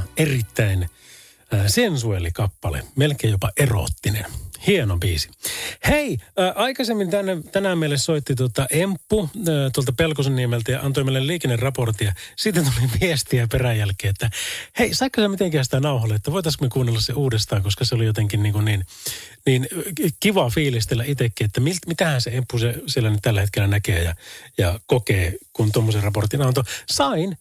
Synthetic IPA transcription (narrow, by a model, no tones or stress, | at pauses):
erit̪ːæin | əːsensuelikɑpːɑlḛmelkeːjjopɑʔero̰t̪ːinḛnhienobiːsi̥heiəːʔɑikɑsemːint̪ænːet̪ænæmielːessoit̪ːit̪uot̪ɑʔempːut̪uolt̪ɑpelkosenːiemelt̪æjɑ̰ʔɑnt̪oimeilelliːkenːerrɑport̪iɑsit̪ːet̪uliʋiest̪iæperæjjælkːˑeːet̪ːæheisɑikːɑsemit̪eŋkæːsi̥t̪ænɑuhɑlːeet̪ːæʋoit̪ɑskmekuːnːelːɑsseuːdest̪ɑːŋkoskɑseolijot̪eŋkinniːŋkunniːnniːnkiʋɑfiːlist̪elːæʔit̪ekːiːet̪ːæmilmit̪æhænseempːusesielːænyt̪t̪ælːæhet̪kelːænækeːjɑ̰jɑkokeːkunt̪omːoserrɑport̪inɑnt̪osɑin